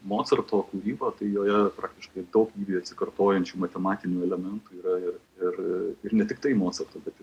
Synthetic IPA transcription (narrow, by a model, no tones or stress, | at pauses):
moːt̪sɐrt̪oːkuːɾʲiːboːt̪ɐɪjoːjɛpɾʔɑːkt̪ʲɪʃkɐɪd̪ɐʊkʲiːʋʲiɐt̪ʲsʲɪ̥kɐrt̪oːjɛnʲt͡ʃʲuːmɐt̪ʲɛmɑːt̪ʲɪnʲuːɛlʲɛmʲɛnt̪uːiːɾɐɪr | ɪrɪɾnʲɛt̪ʲɪk̚t̪ɐɪmoːt͡s̪ʲɐrt̪oːbʲɛt̪